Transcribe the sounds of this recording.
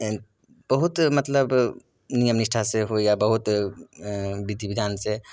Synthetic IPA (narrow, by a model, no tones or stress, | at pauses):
b̥ɐɦʊt̪mɐt̪ləb | nijəmnɪʃʈʰaseɦojabɐɦʊt̪ | bɪd̪ʱibɪd̪ʱaːnse